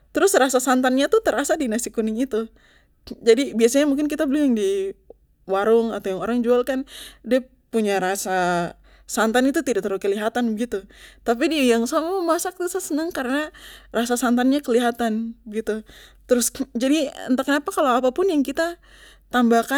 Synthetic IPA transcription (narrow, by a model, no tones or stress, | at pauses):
t̪əɾʊsrasasant̪anɲat̪ut̪əɾasadinasikunɪŋit̪u | d͡ʒadibiasaɲamuŋk̬ɪnkit̪abəlɪjaŋdi | waɾʊŋa̰t̪ajaŋwaɾaŋd͡ʒualkandia | puɲaɾasa | sant̪anit̪ut̪idaʔ̚t̪əɾʊkəliɦat̪anbəɡit̪ut̪ap̬idijaŋsamɔmasak̚t̪usasənəŋkaɾənarasasant̪anɲakəliɦat̪anbəɡit̪ut̪əɾʊsd͡ʒadiə̰nt̪akənapakalowapapʊnjaŋkit̪a | t̪ambahka